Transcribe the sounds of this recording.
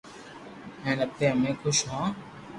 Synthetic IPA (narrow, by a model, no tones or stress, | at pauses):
ɦɛ̃ːləb̚t̪eːɦəmẽːkʰʊʃɦãː